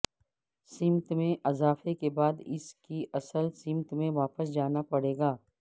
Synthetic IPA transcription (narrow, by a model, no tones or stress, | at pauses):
sɪ̃mt̪mẽʔɐzaːfekebaːd̪ɪ̰skiʔɐsəlsɪ̃mt̪mẽʋaːpəsd͡ʒaːnapɐɽeːɡaː